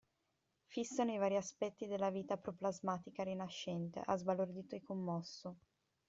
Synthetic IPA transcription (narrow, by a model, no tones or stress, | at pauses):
fisːanoivaːɾiaspɛt̪ːid̪elːaviːt̪apɾoplazmaːt̪ikaɾinaʃːɛnt̪ḛʔazbalord̪iːt̪oikomːɔsːo